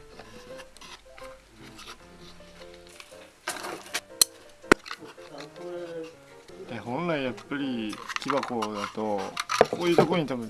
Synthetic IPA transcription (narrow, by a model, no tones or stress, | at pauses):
d̪ehõ̞nɾaijapːaɾʲikʲibako̞d̪at̪o̞koːjɯ̟ːt̪okoɾoɲ̟it̪abɯ̟̃